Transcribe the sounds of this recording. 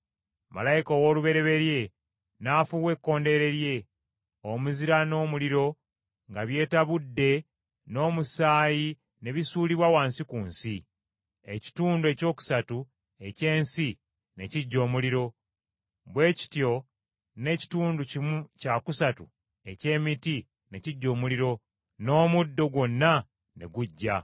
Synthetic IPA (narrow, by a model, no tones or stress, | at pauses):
ma̰lajikoːwo̞ːluβe̞ɾe̞βe̞ɾje̞ | naːfuwe̞kːo̞ːnde̞ɾe̞ɾje̞ | omuziɾano̞ːmuliɾo̞ | ŋɡaβje̞ːtaβudːe̞ | no̞ːmusaːji | ne̞βisuːliβwawaːnsikuːnsi | e̞̰ci̥tuːndue̞ːco̞ːku̥satu | e̞ce̞ːnsi | ne̞ciɟːo̞ːmuliɾo̞ | βwe̞ːci̥tjo̞ | ne̞ci̥tuːnducimucakusatu | e̞ce̞ːmiti | ne̞ciɟːo̞ːmuliɾo̞ | no̞ːmudːo̞ɡwo̞nːa | ne̞̰ɡuɟːa